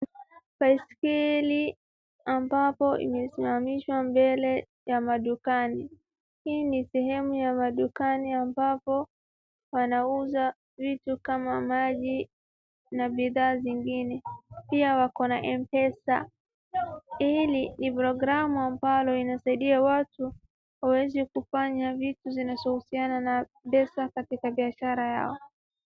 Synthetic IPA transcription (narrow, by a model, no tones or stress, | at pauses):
paiskili | ambapɔḭmɛsimamiʃwambɛlɛ | jamaɗukani | hiːnisɛhɛmujamaɗukaniambapɔ | wanauza | vitukamamaʄi | naɓiðaːziŋɡinɛpiawakɔnaʔɛmpɛsa̰ | ilinipɾɔɡɾamuambalɔinasaiɗiawatu | wawɛzikufaɲavituzinazɔhusianana | ɓɛsakatikaɓiaʃaɾaja̰ɔ